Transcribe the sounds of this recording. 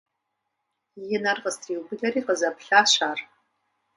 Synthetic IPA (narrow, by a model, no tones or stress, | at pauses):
jɪnɐrʁəstʰriːwbɨɮɐɾiːqəzɐpɬaːɕaːr